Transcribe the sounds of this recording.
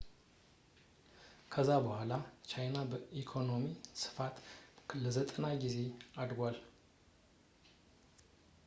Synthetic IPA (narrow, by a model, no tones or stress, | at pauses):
kʰəzːabəhʷalat͡ʃajnabəʔikʰo̞no̞misɨ̥fat̪ləzət̪ʼənaɡize̞ad̪ɡʷal